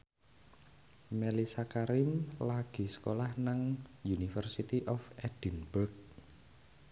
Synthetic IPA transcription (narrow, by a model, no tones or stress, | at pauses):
mɛlisakaɾɪmlaɡ̥i̤sə̥kolahnaŋjunifərsit̪iʔɔfɛd̪̥i̤nb̥ʊk̚